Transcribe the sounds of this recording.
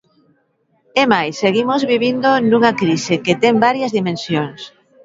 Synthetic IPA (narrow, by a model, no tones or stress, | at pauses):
emajsːeɣimozβiβind̪onuŋakɾiseket̪ɛmbaɾjɐzðimẽnsjoŋs